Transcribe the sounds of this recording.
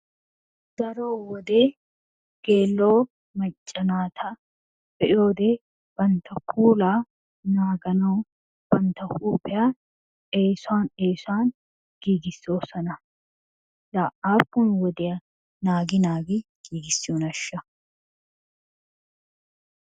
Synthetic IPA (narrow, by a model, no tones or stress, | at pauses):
d̪̥ɐɾo̞ːwɔd̪eː | ɡ̥eːlːo̞ː | mɐt͡ʃʼːɐnaːt̪ʰɐ | bɛʔo̞ːd̪eː | b̥ɐnt̪ʰɐkʰuːlaː | naːɡɐnɐw | b̥ɐnt̪ɐhuːpɛjaː | eːsʊaːneːsʊaːn | ɡ̥iːɡɪsːo̞ːsɐnɐ | laːʔaːpːʊnwɔd̪ɪjɐ | naːɡɪnaːɡɪɡ̥iːɡɪsːɪonɐʃːɐ